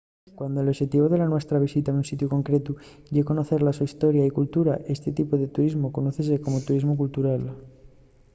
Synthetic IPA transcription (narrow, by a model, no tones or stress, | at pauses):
kwand̪oloβʃet̪iβo̞ðe̞lanwe̞st̪ɾaβ̞isit̪aunsit̪juko̞ŋkɾe̞t̪u | ʝeko̞no̞θe̞ɾlasuist̪o̞ɾjaikult̪uɾaʔe̞st̪e̞t̪ipoðe̞t̪uɾizmo̞ko̞noθe̞s̬eko̞mot̪uɾizmokult̪uɾal